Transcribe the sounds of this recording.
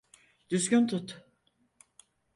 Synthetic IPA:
d̪̥yzɡʲynt̪ʰut̪

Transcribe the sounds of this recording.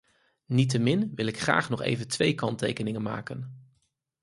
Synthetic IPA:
nit̬əmɪnʋɪlɪkχra̰ːχnɔχḛjvəntʋejkɑntḛjkənɪŋənma̰ːkən

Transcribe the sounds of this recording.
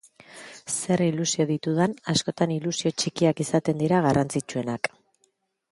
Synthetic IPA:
se̞rilusio̞ðit̪uð̞anasko̞t̪anilusio̞t͡ʃikiakisat̪e̞nd̪iɾaɣ̞arant͡sit͡ʃue̞nak

